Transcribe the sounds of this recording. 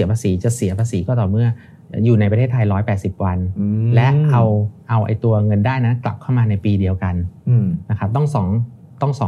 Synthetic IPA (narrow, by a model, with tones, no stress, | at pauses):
pʰaː˧siː˩˦t͡ɕa˨˩ʔsi˩˦ɐpʰaː˧siː˩˦kɔː˥˩t̪ɔː˨˩mɯ˥˩ɐ˧ | juː˨˩na˧jpɾt̪ʰeː˥˩t̪ʰːa˧jɾɔː˦˥jpɛː˨˩t̪̚si˨˩p̚wa˧nlɛ˦˥ʔa˧wʔa˧wʔa̰˧jt̪u˧ɐŋɤ˧ndaː˥˩jna˦˥nkla˨˩p̚kʰːa˥˩wmaː˧na˧jpiː˧di˧əwka˧nna˦˥kʰa˦˥p̚t̪ɔ˥˩ŋsɔː˩˦ŋ | t̪ɔ˥˩ŋsɔ̰˩˦